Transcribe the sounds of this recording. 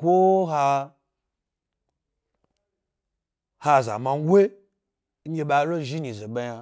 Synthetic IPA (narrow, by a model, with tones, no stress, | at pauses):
kʷo˦ɦa˧ | ha˧˨za̰˨ma˧n˦ɡʷwe˦ | ŋ̩˦ɡʲe˧ɓa˧˦ɾo˦ʒi˦ɲi˨ze˨ɓa˧ja˧